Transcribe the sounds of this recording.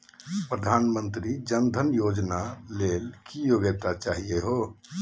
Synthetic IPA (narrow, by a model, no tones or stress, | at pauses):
pɾəd̪ʱanmənt̪ɾid͡ʒənd̪ʱənjod͡ʒnalelkijoɡət̪at͡ʃaɦieɦo